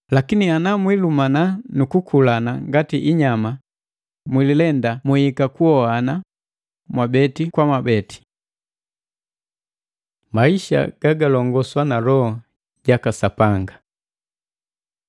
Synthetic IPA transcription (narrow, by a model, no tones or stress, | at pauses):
lakinianamwilumananukukʰulanaŋɡatiʔiɲama | mwililɛndamuhikakuɔhana | mwabɛtikwamabɛti̥ | maiʃa̰ɡ̥aɡalɔŋɡɔswanalɔhɔ | ɟakasapaŋɡa